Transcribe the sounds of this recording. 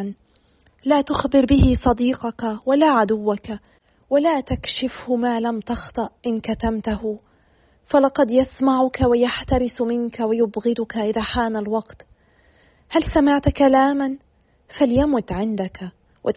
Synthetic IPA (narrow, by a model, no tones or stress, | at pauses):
n | laːt̪ʊxbɪɾbɪhɪsˤɑd̪iːqɑkawalaːʕad̪ʊwːaka | walaːt̪akʃɪfhʊmaːlamt̪ɑxt̪ˤɨʔʔɪnkat̪amt̪ahʊ | falɑqɑd̪jasmaʕʊkawajaħt̪aɾɪsmɪnkawajʊbɣɪd̪ʊkaʔɪðaːħaːnalwɑqt̪ | halsamɪʕt̪kalaːman | faljamʊt̪ʕɪnd̪aka | wʔɪ